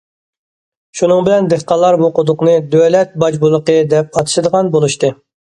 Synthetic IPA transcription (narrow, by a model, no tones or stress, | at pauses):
ʃunɨŋbɪlɛnd̪eχqɑlˠːɑɾbuqʊd̪ʊqnɨd̪ølɛt̪̚bɑd͡ʒbulˠːəqəd̪ɛp̚ɑt̪ʰɨ̥ʃɪd̪əʁɑnbolˠuʃt̪ɨ